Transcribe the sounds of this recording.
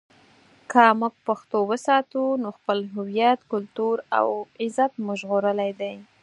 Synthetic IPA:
kʰəmuɡ̚paxt̪owəsɑt̪unoxpəlɦʊwijat̪kʊlt̪uɾa̰wɪzat̪mʊʒɣoɾəlajd̪aj

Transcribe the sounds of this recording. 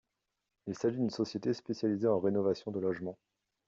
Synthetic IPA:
ilsaʒid̪ynsɔsjet̪espesjalizeɑ̃ʁenɔvasjɔ̃d̪əlɔʒmɑ̃

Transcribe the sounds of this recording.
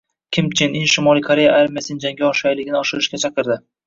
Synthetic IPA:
kʲʰɪmt͡ʃʰɪnɪnʃɪmɒlˠijkʰoɾe̞jaaɾmʲijasɪnɪd͡ʒaŋɡʲaɒʃajlɪɡʲɪnɪɒʃɪɾɪʃkʲat͡ʃʰɑqɨɾd̪ɪ

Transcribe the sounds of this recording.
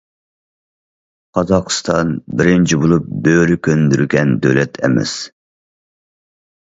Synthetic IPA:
qʰɑzɑχst̪ɑnbɪɾɪnt͡ʃʰibolˠup̚bøɾykʲʰønd̪yɾykʲɛnd̪ø̰lɛt̪ʰɛ̰mɛ̰s

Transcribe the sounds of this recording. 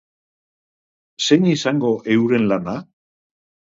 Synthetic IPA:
se̞nisaŋɡo̞ʔe̞wɾe̞nlana

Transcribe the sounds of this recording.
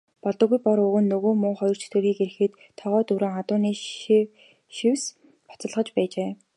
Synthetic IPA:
pɔɮt̪ɞ̆ɣujpɔɾɵɣɵ̆nːɵɣoːmʊːχɔjɞ̆r̥t͡ɕʰɵ̥t̪ɘ̆ɾiːkeɾɘ̆xɘ̆ːt̪ʰːɔʁœːt̪uɾoːŋat̪ʊːniː | ʃiws | pɔ̥t͡sə̆ɮʁə̆t͡ɕpæːt͡ɕeː

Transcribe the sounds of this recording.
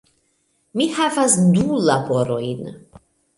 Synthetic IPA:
mihavasdulabo̞ɾo̞jn

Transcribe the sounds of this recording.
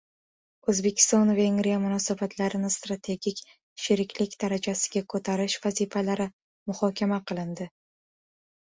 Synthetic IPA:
ɵzbe̞kʲʰɪ̥st̪ɒnve̞ŋɡɾijamʊnɒsabat̪ʰlaɾɪnɪst̪ɾat̪ʰe̞ɡʲikʲ | ʃɪɾɪkʲlɪkʲd̪̥aɾad͡ʒasɪɡʲakʰɵt̪ʰaɾɪʃv̥azifalaɾɪ | mʊhɒkʲʰamaqʰɨlˠɪnd̪ɪ

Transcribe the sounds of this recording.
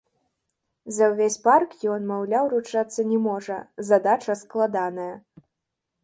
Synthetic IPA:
zɐwvʲesʲparkjɔnmawlʲawɾut͡ʂat̪sːɐnʲɛmɔʐɐzad̪at͡ʂɐsklˠad̪anɐjɐ

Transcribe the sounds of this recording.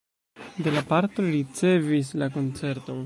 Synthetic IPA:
d̪e̞lapaɾto̞ɾit͡se̞vis̬lak̬o̞nt͡se̞ɾto̞

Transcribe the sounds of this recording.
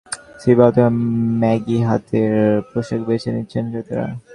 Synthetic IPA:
sibaot̪emɛɡiɦat̪ʰeɾpɾoʃekbet͡ɕʰenitːɕʰenʃet̪eɾa̰

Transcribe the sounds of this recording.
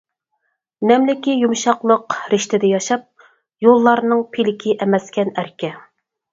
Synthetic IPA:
nɛmlɪkʲijumʃɑqlˠəqɾɪʃt̪ɪd̪ɪjɑʃɑp̚ | jolˠːɑɾnɨŋpʰilɪkʲʰiʔɛmɛskʲɛnæɾkʲɛ

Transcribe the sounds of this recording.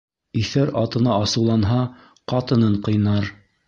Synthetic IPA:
iθæɾɑt̪ɤ̆nɑːsɤ̆wlˠɑnɦɑ | qɑt̪ɤ̆nɤɴqɤ̆jnɑɾ

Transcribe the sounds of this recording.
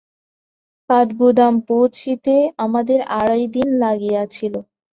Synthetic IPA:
kaʈɡud̪ampowt͡ɕʰit̪eamad̪eɾaɽajd̪inlaɡijat͡ɕʰilo

